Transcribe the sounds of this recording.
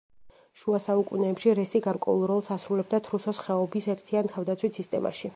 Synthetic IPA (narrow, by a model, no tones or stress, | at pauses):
ʃuasaukʼunɛːpʃiɾɛsiɡaɾkʼwɛ̰ulˠɾɔlˠsasɾulɛb̚d̪at̪ʰɾusɔsχɛɔbisɛɾt̪ʰiant̪ʰavd̪at̪sʰwit̪sist̪ʼɛma̰ʃi